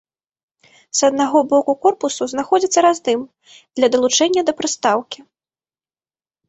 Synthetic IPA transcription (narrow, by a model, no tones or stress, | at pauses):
z̥ɐd̪naɣɔbɔkukɔrpusuznaxɔd͡zʲit̪sːɐɾazd̪ɨm | d̪̥lʲɐd̪ɐlˠut͡ʂɛnʲːɐd̪ɐpɾɨst̪awkʲi